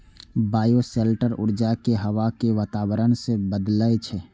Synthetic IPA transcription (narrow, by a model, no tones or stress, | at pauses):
baːjoseːlʈəɾʊ̰ɾd͡ʒakeɦəʋakeʋaːt̪aːwəɾənsebəd̪lət͡ʃʰɛ